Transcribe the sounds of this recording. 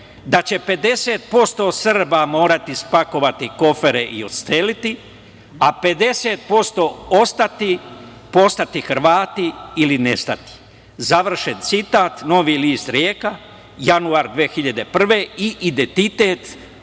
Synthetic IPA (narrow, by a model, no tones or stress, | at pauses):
d̪at͡ɕe̞pe̞d̪e̞se̞ːt̪̚po̞st̪o̞ːsrbamo̞ːɾat̪ispako̞ʋat̪iko̞fe̞ɾeʔio̞t̪st̪elit̪i | ape̞d̪e̞set̪̚po̞st̪o̞ːo̞st̪at̪i | po̞st̪at̪ixɾ̩ʋaːt̪iiline̞st̪at̪i̥ | zaʋr̩ʃe̞nt̪sit̪aːt̪no̞ʋiliːst̪ɾjeːka | januaɾd̪ʋeːxiʎad̪e̞pr̩ʋe̞iʔid̪ent̪it̪e̞ːt̪